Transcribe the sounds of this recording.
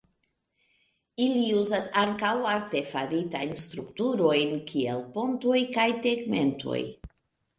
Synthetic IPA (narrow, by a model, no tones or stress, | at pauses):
iliuzasaŋkawaɾte̞faɾitajnst̪ɾuktuɾo̞jnkʰie̞̰lpo̞nto̞jkajteɡme̞ntʰo̞̰j